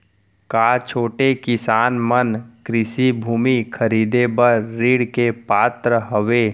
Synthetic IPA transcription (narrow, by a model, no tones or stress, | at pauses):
kaːt͡ʃʰoːʈekɪsaːnmənkɾɪsibʱuːmikʰəɾiːd̪ebəɾːiːɽkepaːt̪ɾəɦəʋeː